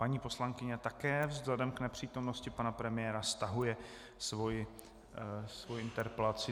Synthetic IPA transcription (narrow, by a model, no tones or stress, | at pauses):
paɲiːpo̞slaŋkɪɲɛt̪akɛːvzlɛdɛmknɛpr̥iːt̪o̞mno̞scɪpanapɾɛmɪjɛːɾast̪aɦujɛ | svojɪ | svojɪɪnt̪ɛɾpɛlat͡sɪ